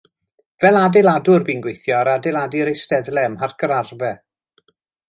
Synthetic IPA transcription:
vɛlˠadɪlˠadʊrbiːnɡwejθjɔaɾadɪlˠadɪɾejstɛðlˠɛmarkʰəɾarvɛ

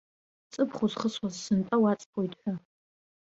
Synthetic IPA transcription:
t͡sʼɨpʰχʷʊzχəswazsɨntʼawat͡sʼpʰoitʼħʷᶣa

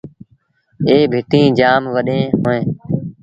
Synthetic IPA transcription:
eːbʱɪʈ̪ĩːd͡ʒaːmʋəɗẽːɦoːẽː

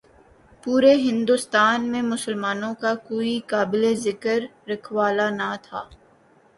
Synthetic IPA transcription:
puːɾeɦɪ̃nd̪ʊst̪aːnmẽmʊsəlmaːnõkakoːikaːbɪlezɪkəɾːɐkʰwaːlanat̪ʰaː

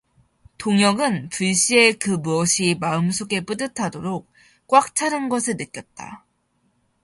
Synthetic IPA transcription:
toŋjʌɡɯnpuɭɕ͈ie̞kɯmuʌɕʰimaɯmsʰoɡe̞p͈ɯdɯtʰadoɾok̚ | k͈wak̚t͡ɕʰaɾɯnɡʌsʰɯɭnɯk͈̚jʌt̚t͈a̰

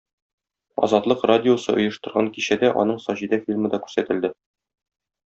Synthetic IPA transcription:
ɒ̰zɑt̪lˠɤqradʲɪosɤ̰ʔŏjɤ̆ʃt̪ɤ̆ɾʁɑŋkiɕæd̪æʔɒ̰nɤɴsɒʑid̪æfʲilʲmɤ̆d̪ɒkʉ̥ɾsæt̪ɘ̆ld̪ɘ

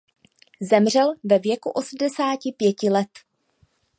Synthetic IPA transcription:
zɛmr̝ɛlvɛvjɛkuʔo̞sm̩dɛsaːcɪpjɛcɪlɛt̪

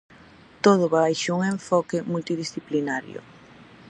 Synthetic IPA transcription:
t̪oðʊβajʃauŋẽɱfɔkɪmult̪iðisθiplinaɾjʊ̰

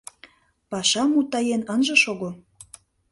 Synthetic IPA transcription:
pɑʃɑmut̪ɑjenənʒɤ̆ʃoɣo

